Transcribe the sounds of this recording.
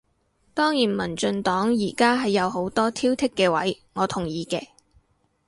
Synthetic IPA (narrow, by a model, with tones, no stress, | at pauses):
t̪ɔː˥ŋjiː˨˩nmɐ˨˩nt͡ʃɵ˧nt̪ɔː˨˥ŋjiː˨˩kaː˥ɦɐ˨jːɐ˨˧wɦo˨˥wt̪ɔː˥t̪ʰiː˥wt̪ʰɪ˥kːɛː˧wɐ˨˥jŋɔː˨˧t̪ʰʊ˨˩ŋjiː˨kɛː˧